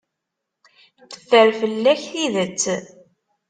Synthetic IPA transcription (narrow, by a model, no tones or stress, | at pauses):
θə̥fːəɾfəlːæçθiðət͡sː